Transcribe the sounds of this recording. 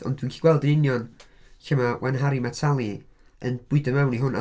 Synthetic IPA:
ɔ̰ndwinkʰiɡwɛlˠdənɪnjɔn | çəmawʔɛnɦaɾimatʰalˠi | ənbʊɨdəmawniɦʊna̰

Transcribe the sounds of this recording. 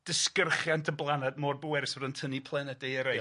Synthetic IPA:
d̥ɪskərχjantʰəblˠanɛdmoːrbowɛɾɪsvɔdəntʰənipʰlˠɛnɛdejəɾej

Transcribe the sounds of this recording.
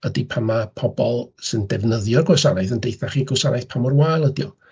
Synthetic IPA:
ədipʰamapʰɔbɔlˠsɨndɛvnəðjɔrɡwɛsaɾajθəndejθaχiɡɔsaɾajθpʰamɔrwajlˠədjɔ

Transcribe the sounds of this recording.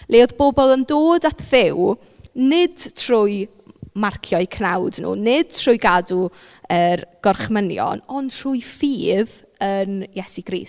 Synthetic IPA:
lʔeːɔðboːbɔlˠəndoːdatʰðɪw | nɪd̥tʰr̥ʊj | markʰjɔɨkʰnawdnṵːnɪd̥̚tʰrʊjɡadu | ərɡ̥ɔrχmənjɔ̰nɔntʰrʊjfiːð | ənjɛsiɡɾḭːs

